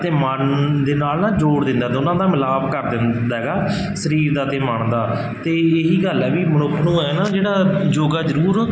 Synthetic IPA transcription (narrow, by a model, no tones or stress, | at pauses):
t̪eːmənd̪eːnaːlnaːd͡ʒoːɽd̪ɪ̃nd̪aːd̪oːnãːd̪aːmɪlaːbkəɾd̪ɪnd̪aːɦɛːɡaː | səɾiːɾd̪aːt̪eːməɳd̪aː | t̪eːɪɦiːɡəlɛːʋiːmənʊkʰːnũːɛːnãːd͡ʒeːɽaːd͡ʒoːɡaːzəɾuːɾ